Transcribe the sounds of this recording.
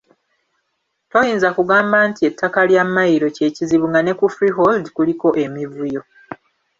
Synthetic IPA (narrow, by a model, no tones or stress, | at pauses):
to̞jiːnzakuɡaːmbaːntie̞tʰːakaljamːajiɾo̞ce̞ːciziβuŋɡane̞kufɾiɦoldkuliko̞ʔe̞mivujo̞